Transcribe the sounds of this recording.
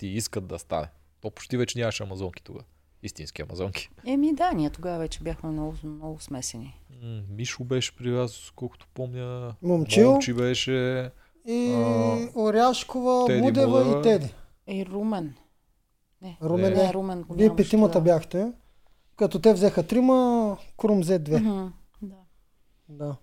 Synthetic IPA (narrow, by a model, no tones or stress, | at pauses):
t̪iiskət̪̚d̪ɐ̰st̪a̰nɛ | t̪ɔpo̥t͡ʃt̪ivɛt͡ʃɛnʲamɐʃɛɐmɐzɔŋkʲi̥t̪oɡa̰ | ist̪ĩnskʲiɐ̰mɐ̰zɔŋkʲi̥ɛmid̪aniət̪oɡavɐvɛt͡ʃɛbʲjaxmɛmnɔɡʊmnɔɡʊsmɛsɛnimiʃʊbɛʃɛ̥pɾivʲaznoskɔlˠko̥t̪o̥pɔmnʲəmomt͡ʃilˠt͡ʃibɛʃɛ | i | oɾʲjaʃkovəɛud̪ɛvɐiɛd̪i | iɾumɛn | nɛɾumɛnɛɾumɛnipɛt̪imɐt̪əbjaxt̪ɛ | kɐt̪ɔt̪ɛvzɛxət̪ɾiməkɾumzɛd̪vɛ | d̪a | d̪a